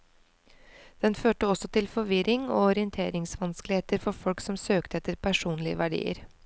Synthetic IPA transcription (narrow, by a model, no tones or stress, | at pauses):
d̪̥ɛnføːʈəɔsɔt̪ɪlfɔʋɪɾɪŋo̰ːɔɾɪənt̪ʰḛːɾɪŋsʋɑnsklɪheːt̪əɾfɔɾfɔlksɔmsøːkt̪əɛt̪ːəɾpʰæʂuːnlɪə̰ʋæɖḭːə̰ɾ